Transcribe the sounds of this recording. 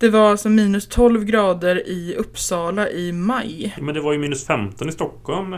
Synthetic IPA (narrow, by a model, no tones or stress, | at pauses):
d̪̥ɛvaɾalsɔmiːnɵst̪ʰɔlvɡɾɑːd̪əɾɪɵpːsɑːlaʔɪmajmɛnd̪ɛvaɾjɵmiːnɵsfɛmt̪ɔnɪst̪ɔkːhɔlm